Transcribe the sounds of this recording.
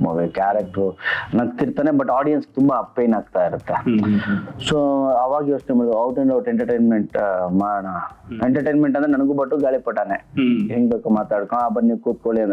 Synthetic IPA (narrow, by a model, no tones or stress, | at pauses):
mo̰ʋikaːɾek̚ʈɾunɐkt̪iɾt̪aːnebɐʈːaːɖijɐns̚t̪umbapeːnaːɡ̚t̪aːiɾut̪ːe | soːɐʋaːɡjoːʂnemaːɽd̪ɐwʈeɳɖɐwʈeɳʈɐɾʈejnmeɳʈmaːɽɳaeɳʈɐɾʈejnmeɳʈɐnd̪ɾenɐnɐɡuːbɐʈːuɡaːɭipɐʈːaːneɦeŋɡbeːkumaːt̪aːɽkõabɐnːikuːt̪̚koɭiɐnd̪